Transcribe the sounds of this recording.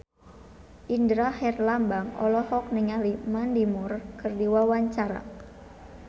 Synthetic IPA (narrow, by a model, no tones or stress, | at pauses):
ʔindɾahɛrlambaŋɔ̰lɔhɔk̚niŋalimandimurkɨrdiwawaɲt͡ʃaɾa̰